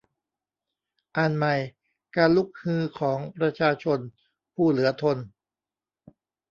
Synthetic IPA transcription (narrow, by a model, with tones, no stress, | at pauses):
ʔa˧˩nma˧˩j | kaː˧nlu˦˥k̚hɯː˧kʰɔː˩˦ŋpɾa˧t͡ɕʰaː˧t͡ɕʰo˧n | pʰuː˥˩lɯ˩˦ɐt̪ʰo˧n